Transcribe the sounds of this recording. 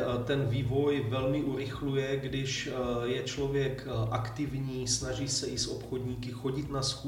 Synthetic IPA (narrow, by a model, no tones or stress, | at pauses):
t̪ɛnviːvo̞jvɛlmɪʔuɾɪxlujɛɡdɪʃjɛt͡ʃlo̞vjɛkʔakt̪ɪvɲiːsnaʒiːsɛɪsʔo̰pxodɲiːkɪxo̞ɟɪt̪nasku